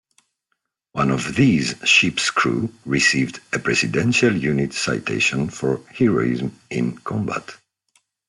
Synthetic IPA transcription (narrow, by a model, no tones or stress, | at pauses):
wãnɔvðiːzʃipskʰɹṵɹisiːvdɨpɹɛsidɛ̃nʃaljunɪtsa̰ɪtʰḛʃɔ̃nfɔɹhɛɹo̰ɪ̰zmɪ̃nkʰɔ̃mba̰t